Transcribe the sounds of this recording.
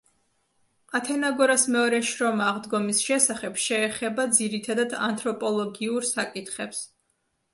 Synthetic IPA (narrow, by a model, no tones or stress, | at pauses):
qʼat̪ʰɛnaɡɔɾasmɛɔɾɛʃɾɔmaːʁd̪ɡɔmisʃɛsaχɛbʃɛːχɛbad̪ziɾit̪ʰad̪ad̪a̰nt̪ʰʼɾɔpʼɔlˠɔɡiuɾsakʼit̪χɛps